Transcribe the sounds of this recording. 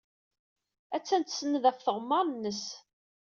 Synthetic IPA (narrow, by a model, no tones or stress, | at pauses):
æt͡sːænt̪sənːəðæfθəʁmːɑɾˤnːəs